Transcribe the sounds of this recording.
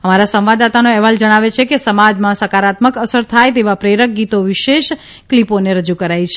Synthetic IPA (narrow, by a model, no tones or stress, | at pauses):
əmaɾasə̃mʋad̪at̪anoɛʋald͡ʒəɽ̃aʋet͡ʃʰekesəmad͡ʒmãsəkaɾat̪məkəsəɾt̪ʰajt̪̬eʋapɾeɾək̚ɡit̪oʋiʃeʃ | kliponeɾəd͡ʒukəɾajt͡ʃʰe